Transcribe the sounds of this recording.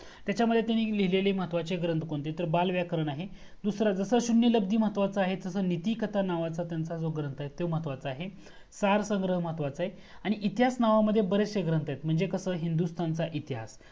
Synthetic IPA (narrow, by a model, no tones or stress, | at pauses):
t̪jat͡ɕaməd̪ʱːjet̪janiːliɦilelem̤ət̪ʋat͡ɕeɡɾənt̪koɳt̪et̪əɾbalʋjakəɾəɳaɦe | d̪usɾad͡zəsəːɕunjələb̚d̪iːm̤ət̪ʋat͡saːɦed͡zəsəːnit̪ikət̪anaʋat͡sat̪jant͡sad͡zoɡɾənt̪aɦet̪ːem̤ət̪ʋat͡saːɦe | saɾsəŋɡɾəɦəmat̪ʋat͡saɦe | aɽ̃iʔit̪iɦasnaʋaməd̪ʱːjebəɾeseɡɾənt̪ajet̪m̤əɳd͡zekəsəːɦind̪ust̪ʰant͡saʔit̪iɦas